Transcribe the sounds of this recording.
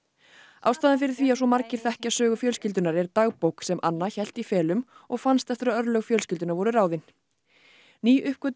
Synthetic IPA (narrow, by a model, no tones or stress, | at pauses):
aːwst̪aːðɪnfɪɾɪɾ̥θviːasɔmaɾcɪɾ̥θɛhcasœːɣʏfjœːlscɪlt̪̬ʏnaɾɛɾt̪aɣpowksɛmʔa̰nːaçɛl̥t̪ifɛːlʏmɔɣfanst̪ɛft̪ʏɾaœɾlœɣfjœlscɪlt̪ʏnaɾvɔɾʏɾaːwðɪn | niːʔʏhp̚kvœt̪